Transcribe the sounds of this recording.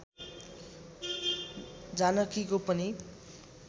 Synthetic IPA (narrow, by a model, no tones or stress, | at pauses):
d͡zanʌkikopʌni